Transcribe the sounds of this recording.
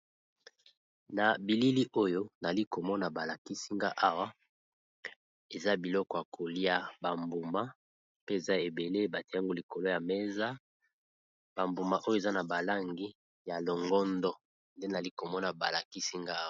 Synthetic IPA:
na˨bi˨li˦li˦ʔo˦jo˦na˨li˦ko˨mɔ˦na˨ba˨la˨ki˦si˦ŋɡa˦ʔa˦wa˦ | e˨za˦bi˨lɔ˦kɔ˨ja˨kʰo˨li˦a˦ba˨mbu˨ma˦ | pe˦e˨za˦e˨be˨le˦ba˨te˦a˦ŋɡo˦li˨ko˨lo˦ja˨me˦za˦ | b̥a˨mbu˨ma˦˨ʔo˦jo˦e˨za˦na˨ba˨la˦ŋɡi˦ | ja˨lo˨ŋɡɔ˦ndɔ˦ | nde˦n˨a˨li˦ko˨mɔ˦na˨ba˨la˨ki˦si˦ŋɡa˦w

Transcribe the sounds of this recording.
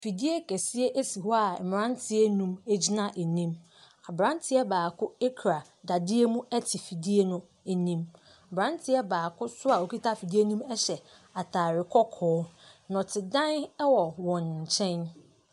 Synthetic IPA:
fi˨di˦e˦kʰɛ˨sɪ˦e˦ʔe˦si˨hɔ˦a˨ɛ˨m˨ɾã˦n˦tʰɪ˦e˦nũ˦me˦d͡ʑi˦nã˦ʔe˨nĩ˦m | a˨bɾã˦n˦tʰɪ˦ɛ˦baː˨kʰʊ˦e˦kʰɾa˨ | da˨dɪ˦e˦mũ˦ɛ˦tʰi˨fi˨di˦e˦nʊ̃˦ | e˨nĩ˦m˨ | bɾã˦n˦tʰɪ˦ɛ˦baː˨kʰʊ˦sʊ˦a˨o˨ki˦tʰa˦fi˨di˦e˦nũ˦mɛ˦ɕɛ˨ | a˨tʰaː˨ɾɪ˨kʰɔ˦kʰɔː˦nɔ̃˨tʰɪ˨dã˦n˦wɔ˨wɔ̃˨nɲ˨t͡ɕʰɛ̃˦n

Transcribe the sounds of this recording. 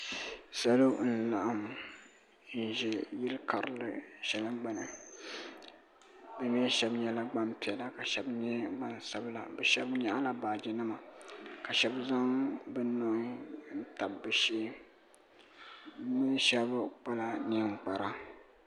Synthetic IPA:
sa˦lo˦n̩˦˨la˨ʔa˦m | n̩˦˨ʒɛ˨ji˦lka˨ɾɨ˨lɨ̰˦ʃɛ˨lɨ˦mɡ͡ba˨nɨ̰˨ | bɛ˨mi˦ɛ˦ʃɛ˦bɲɛ˦la˦ɡ͡ba˦mpi˨ɛ˨la˨ka˨ʃɛ˦bɲɛ˦ɡ͡ba˦nsa˦bla̰˨bɛ˨ʃɛ˦bɲa˦ʔla˨baː˨d͡ʒɪ˨nɨ˦ma˨ka˨ʃɛ˦bza˦ŋbɨ˦no˦˨˦n̩˦ta˨bːɨ˨ʃeː˦ | mɨ˦n˦ʃɛ˦bk͡pa˦la˨ni˨ŋ͡mk͡pa˨ɾa˨

